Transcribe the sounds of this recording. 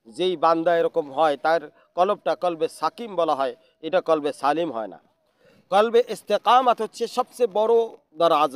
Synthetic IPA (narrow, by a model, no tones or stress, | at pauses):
zeibãnd̪aeɾɔkomɦɔjt̪aeɾ | kɔlɔb̚ʈakɔlbesakimbɔlaɦɔe | ejʈakɔlbesalimɦɔ̰ena̰ | kɔlbeʔest̪eqamat̪ɦot̪ːt͡ʃʰesɔb̚sebɔɾo | d̪ɔɾaz